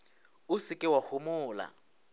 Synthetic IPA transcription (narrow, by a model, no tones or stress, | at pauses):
ʊsɪkʼɪwahʊmʊːla̰